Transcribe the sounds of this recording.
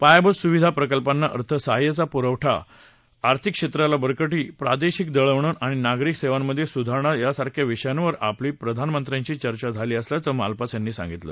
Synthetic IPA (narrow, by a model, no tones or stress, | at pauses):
pajabəsuʋid̪ʱapɾəkəlpanːaʔə̰ɾt̪ʰəsaɦajət͡sapuɾəʋʈʰa̰ː | ɾt̪ʰikːʂet̪ɾalabəɾkəʈiːpɾad̪eɕikd̪əɭəʋɳ̃ənaɽ̃inaɡɾikseʋamːəd̪ʱːjesud̪ʱaɳ̃ajasaɾkʰjaʋiɕəjanʋəɾa̰pliːpɾəd̪ʱanmənt̪ɾaɲt͡ɕiːt͡ɕəɾt͡ɕad͡zʱaliːəsljat͡səma̰lpat͡sjanːiːsã̰ŋɡit̪lə̰